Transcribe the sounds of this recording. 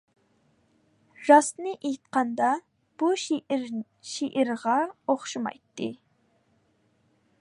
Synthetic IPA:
ɾɑsnɨʔejt̪̚qɑnd̪ɑ | b̥u | ʃiʔɪɾʁɑoχʃɨmɑ̰jt̪ːɨ̰

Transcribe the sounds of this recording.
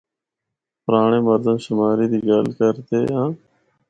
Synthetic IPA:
pɾaːɳeːməɾd̪əmʃɪmaːɾiːd̪iɡalkəɾt̪eːãː

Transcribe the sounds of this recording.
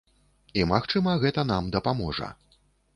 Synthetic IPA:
imaxt͡ʂɨmɐɣɛt̪ɐnamd̪ɐpamɔʐɐ̰

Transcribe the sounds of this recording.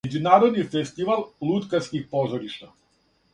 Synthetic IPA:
ed͡ʑunaːɾod̪nifest̪iʋalˠlˠut̪kaskixpozoɾiʃt̪a

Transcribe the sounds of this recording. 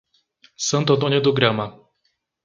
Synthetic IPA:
sɐ̃nt̪ʊɐ̃t̪̬õnjʊd̪ʊɡɾɐ̃mɐ

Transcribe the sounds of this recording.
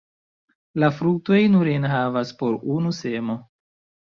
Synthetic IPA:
lafɾuto̞jnuɾenɦavaspo̞ɾunuse̞mo̞

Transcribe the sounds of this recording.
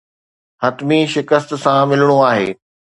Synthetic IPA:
hɐt̪miʃɪkəst̪sãmɪləɽ̃oaːɦḛː

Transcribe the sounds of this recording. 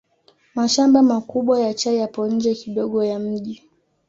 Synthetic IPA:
maʃambamakuɓwajat͡ʃajapɔɲ̩d͡ʒɛkiɗɔɠɔjam̩ʄi

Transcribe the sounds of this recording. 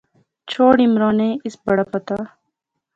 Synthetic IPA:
t͡ʃʰoːɽimɾõːneːɪsbɐɽapɐt̪aː

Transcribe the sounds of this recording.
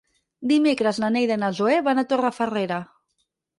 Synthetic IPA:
d̪imekɾəznanejðenazoeβanat̪orafəreɾa

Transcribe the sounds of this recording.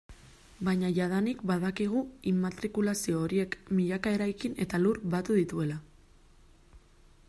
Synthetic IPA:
bajɲaʝað̞anikbaðakiɣ̞uimat̪ɾikulasio̞ːɾie̞kmiʎakae̞ɾajkine̞t̪aluɾbat̪uðit̪ue̞la

